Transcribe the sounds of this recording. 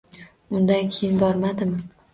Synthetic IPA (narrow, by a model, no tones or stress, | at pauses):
ʊnd̪ankʲʰejɪnbɒɾmad̪ɪmɪ